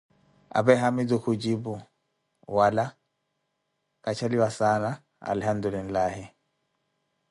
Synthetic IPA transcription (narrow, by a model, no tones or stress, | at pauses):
ʔa̰bɛɦamidukud͡ʒibu | wala | kat͡ʃaliwasana | a̰lhamd̪ulinlaːhi